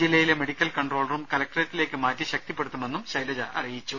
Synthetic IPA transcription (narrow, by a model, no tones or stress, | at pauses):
d͡ʑilːɐjileme̞ɽikʲːɐlkɐɳɖro̞ːlɐrumkɐlɐk̚ʈreːtːile̞ːkːɨmaːtːɨɕɐk̚t̪ipːe̞ɽut̪ːume̞nːumɕɐjlɐd͡ʑɐʔɐrijit͡ɕːu